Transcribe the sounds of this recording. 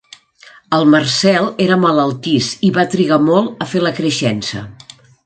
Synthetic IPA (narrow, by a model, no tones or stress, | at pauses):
əlˠmərsɛlˠeɾəmələlˠt̪isiβat̪ɾiɣ̞amɔlˠəfeləkɾəʃɛnsə̰